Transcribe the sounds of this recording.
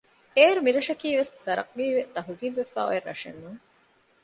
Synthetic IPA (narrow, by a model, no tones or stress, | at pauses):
eːɾumiɾɐʃɐkiːʋeszɐɾɐ̰q̚ɡiːʋet̪ɐɦuziːbʋefæ̰ːo̰jerːɐ̰ʂḛnːuŋ